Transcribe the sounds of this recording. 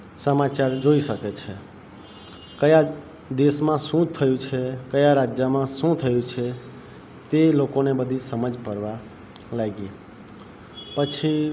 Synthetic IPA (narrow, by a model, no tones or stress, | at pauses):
səmat͡ʃaɾd͡ʒoiʃəket͡ʃʰe | kəja | d̪esmãsũt̪ʰəjũt͡ʃʰekəjaɾad͡ʒjəmãsũt̪ʰəjũt͡ʃʰe | t̪elokonebəd̪ʱisəməd͡ʒpəɾʋa | laɡi | pət͡ʃʰi